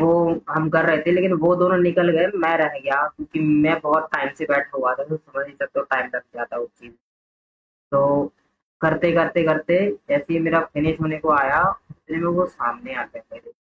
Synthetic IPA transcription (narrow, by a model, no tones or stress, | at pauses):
ʋoɦɐmkɐɾːɐɦɛt̪ʰeɛ̃leːkɪnʋod̪oːnõnɪkəlɡɐemɛ̃ɾɐɦɡɐjakjõːkimɛ̃bɔːt̪̚ʈaːɪmsebɛːʈʰaɦuat̪ʰat̪sɐməd͡ʒnisɐk̚t̪eoʈaːɪmɾɐk̚ʰɡaːt̪ʰaʊk̚t͡ʃiːz | t̪oː | kɐɾt̪ekɐɾt̪ekɐɾt̪ed͡ʒɛːseimeːɾafʰɪnɪʃɦoːnekoaːjaʊt̪nemẽosa̰ːmneaːkepɛɦle